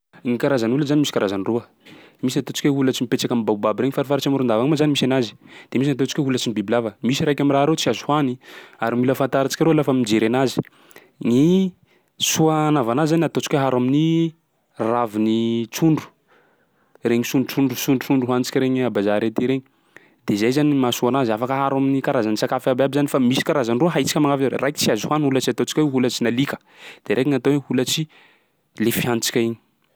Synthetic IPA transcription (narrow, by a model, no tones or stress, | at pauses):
ŋikaɾazanuləzanimisi̥kaɾazaniruə | d̪̥emis̬inat̪ot͡si̥kʲeɦulat͡simipet͡ʃakamibaubabiɾeɲifaɾifaɾat͡ʃamɾund̪avamazanimisanazi̥d̪̥emis̬nat̪ot͡ʃi̥kʲoɦulat͡sinibibilavəmisiɾajkʲamiraaɾet͡siazu̥haniaɾamuləfant̪aɾat͡ʃi̥kʲaɾolafamid͡ʒeɾeanazi̥ | ŋi | suanavanazizanat̪ot͡si̥kʲeɦaɾamini | ravinit͡suɳɖ͡ʐu̥ | reɲisuɳɖ͡ʐut͡suɳɖ͡ʐusuɳɖ͡ʐut͡suɳɖ͡ʐuɦant͡si̥kʲɾeɲiabazaɾet̪iɾeɲi | d̪̥ezajzanimasuanazafakəɦaɾaminikaɾazanisakafababizanifamisi̥kaɾazanruəɦait͡si̥kʲəmaŋavaɾḛrajki̥t͡siazuhanulət͡siat̪ot͡ʃi̥kʲaeɦulət͡sinalikə̥ | d̪̥eɾʔekiŋat̪owehulət͡si | lefiant͡si̥kʲaiɲi